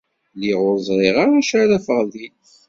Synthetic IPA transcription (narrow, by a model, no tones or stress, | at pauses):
liʁʊɾzˤɾˤeʁaʁˤaʃaɾæfəʁli